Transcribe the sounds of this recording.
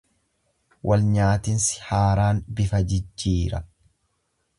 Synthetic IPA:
wʔɐlɲaːt̪ɪnsɪ̥haːɾaːnbɪfɐd͡ʒɪd͡ʒːiːɾɐ̰

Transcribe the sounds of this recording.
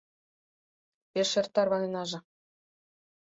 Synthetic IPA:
peʃĕrt̪ːɑrβɑnenɑʒɤ̆

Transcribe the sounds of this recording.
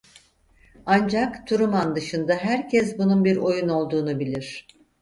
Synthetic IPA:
and͡ʒakt̪ʰuɾumand̪ɯʃɯnd̪aɦæɾcʰɛsbununbiɾo̞juno̞lˠd̪uːnubilʲiɾ̝̥

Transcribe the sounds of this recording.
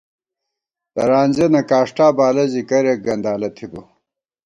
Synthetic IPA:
d̪ɐɾaːnʲzenɐkaːʂʈaːbaːlɐzikɐɾek̚ɡɐnd̪aːlɐt̪ʰibo

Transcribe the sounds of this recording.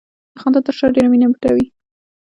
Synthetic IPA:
d̪əxɑnd̪at̪əɾʂəɾɖeɾaminabiʈawi

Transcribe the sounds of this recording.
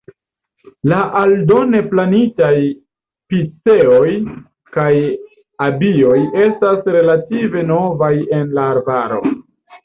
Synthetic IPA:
laʔaldo̞ne̞planitaj | pit͡se̞o̞j | kaj | abio̞je̞stasɾe̞lative̞no̞vaje̞nlaːɾbaɾo̞̰

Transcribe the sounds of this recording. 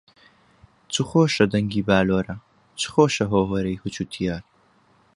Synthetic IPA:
t͡sʰuχoːʃɐdɐŋɡiːbaːloːɾɐ | t͡ʃʰɨ̥χoːʃɐɦoːwɐɾɐjhut͡ʃʰut̪ʰijaːr

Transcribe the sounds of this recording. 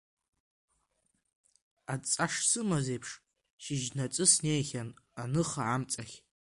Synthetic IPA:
at͡sʼaʂsɨmazejpʰʂ | ʃɪʒnat͡sʼɨsne̞jχʲananɨχaʕamt͡sʼaχʲ

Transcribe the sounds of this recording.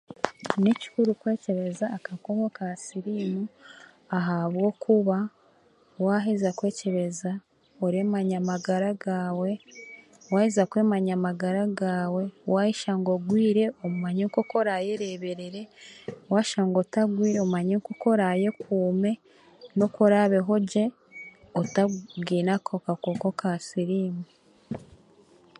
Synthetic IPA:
nici̥kuɾukwe̞ːce̞ɾe̞zaːkakoβokasiɾinu | aɦaβɡo̞kʰuβa | waɦizakwe̞ːce̞ɾe̞za | oɾemaɲamaɡaɾaɡaːwe̞ | waːhizakweːmaɲamaɡaɾaɡaːwe̞wajiʃaŋɡoɡwiːɾe̞omumaɲeŋkokoɾajeɾeβe̞ɾeɾe̞waːʃaŋɡotaɡwiːɾeomumaɲeŋkoko̞ɾaje̞kʰuːme̞ | no̞koɾaβe̞ɦo̞ɟe̞ | otabɡiːnakʰokakokokʰasiɾiːme

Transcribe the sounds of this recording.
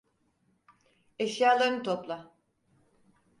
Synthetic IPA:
eʃjaːlˠaɾnɯt̪ʰoplˠa

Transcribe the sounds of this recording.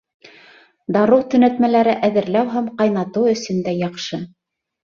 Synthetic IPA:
d̪ɑɾuɾt̪ɵ̆næt̪mælæɾɘʔæðɘ̆ɾlæwɦæmqɑjnɑt̪ɤwɵ̆sɵ̆nd̪æjɑqʃɤ

